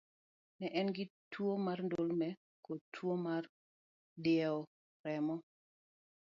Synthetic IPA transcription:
nɛʔɛnɡɪtwomarndolmɛ | kotʰwomar | dɪjɛɔ | rɛmɔ

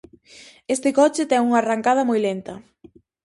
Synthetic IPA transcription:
est̪ɪkɔt͡ʃɪt̪ɛŋuŋaraŋkað̞ɐmɔjlent̪ɐ

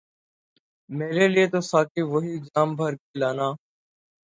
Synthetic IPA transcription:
meːɾeːlieːt̪oːsaːkiːʋəɦiːɪɡd͡ʒaːmbʱəɾkeːlaːnaː

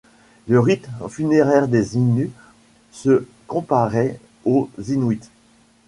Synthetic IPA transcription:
ləʁit̪mfyneʁɛʁd̪eziny | sə | kɔ̃paʁɛ | ozinwit̪

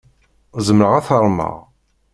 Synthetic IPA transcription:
zəmɾəʁaθəɾˤmə̰ʁ

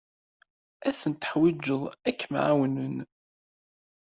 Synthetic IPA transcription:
æθənt̪ə̥ħwid͡ʒːəðˤækːmʕawnən

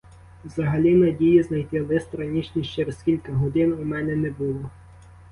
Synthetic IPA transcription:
wzɐɦɐlʲinɐdʲijiznɐjt̪ɪlˠɪst̪ɾɐnʲit͡ʃʲnʲiʃt͡ʃɛɾɛskʲilʲkɐɦɔd̪ɪnumɛnɛnɛbʊlˠɔ

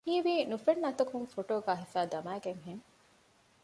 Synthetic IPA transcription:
hiːʋiːnufenːɐt̪ɐkuŋfoʈoːɡæːɦifæːd̪ɐmæːɡeŋɦeŋ

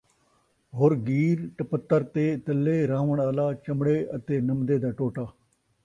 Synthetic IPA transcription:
ɦoːɾɡiːɾʈəpət̪ːəɾt̪eːt̪əlːeːɾaːʋəɳaːlaːt͡ʃəmɽeːət̪eːnəmd̪eːd̪aːʈoːʈaː

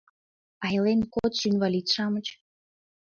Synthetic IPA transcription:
ɑjlenkot̪ʃynβɑlʲit̪ʃɑmət͡ɕ

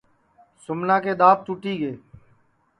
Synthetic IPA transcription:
sʊmnãːkeːɗ̪aːp̚t̪uːʈiːɡeː

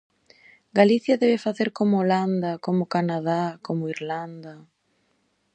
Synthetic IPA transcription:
ɡaliθjaðɛβefaθeɾkomooland̪akomʊkanað̞akomoiɾland̪a

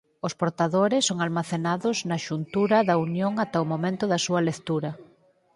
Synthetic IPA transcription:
ʊspoɾt̪aðoɾɪsːoŋalmaθenaðʊznɐʃunt̪uɾɐðɐunjoŋat̪ɐomomẽnt̪ʊðɐsuɐlekt̪uɾɐ

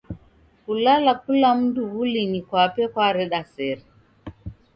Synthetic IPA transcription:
kulalakulam̩duβulinikwapɛkwaɾɛɗasɛɾɛ

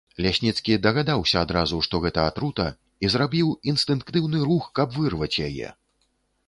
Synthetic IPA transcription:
lʲasʲnʲit̪skʲid̪ɐɣad̪awsʲɐad̪ɾazuʂt̪ɔɣɛt̪ɐat̪ɾut̪ɐ | izɾabʲiwinst̪ɨnkt̪ɨwnɨɾuxkɐbvɨrvɐt͡sʲjajɛ̰

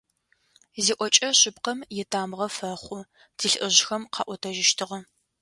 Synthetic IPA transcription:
ziːʔʷɔt͡ʃʼɐɕɪpqɐmjɛtʰaːmʁɐfɐχʷʊ | tʰiɬʔɨʑxɐmqʰɑ̰ːʔʷɔtʰɐʒɪʃtʰɨʁɐ

